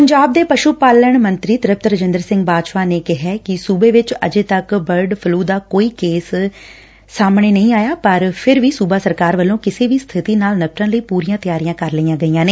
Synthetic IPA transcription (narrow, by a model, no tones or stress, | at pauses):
pəɲd͡ʒaːb̚d̪eːpəʃuːpaːləɳmənt̪ɾiːt̪ɾɪp̚t̪ɾəd͡ʒɪ̃nd̪əɾsɪ̃ŋɡbaːd̪ʃʋaːneːkɪɦɛːkɪsuːbeːʋɪt͡ʃə̰d͡ʒeːt̪əkbəɾɖpʰluːd̪aːkoːiːkeːsː | aːmɳeːnəĩːaːjaːpəɾpʰɪɾʋiːsuːbaːsəɾkaːɾʋəlːõːkɪseːʋiːst̪ʰɪt̪iːnaːlnəpʈãːləiːpuːɾijãːt̪ɪjaːɾijãːkəɾləiːãːɡəiːãːneː